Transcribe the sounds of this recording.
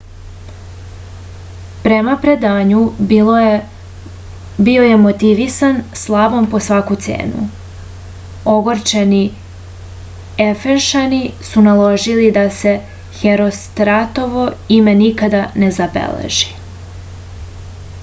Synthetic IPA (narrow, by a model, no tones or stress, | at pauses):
pɾe̞mapɾe̞d̪aːɲu | bioje̞mo̞t̪iʋisanslˠaʋo̞mpo̞sʋakut̪sḛːnṵ | o̞ɡo̞ɾt͡ʃeni | efenʃanisunalˠo̞ʒilid̪ase̞ | xeɾo̞st̪ɾat̪o̞ʋo̞ime̞nikad̪ane̞zabḛlḛʒi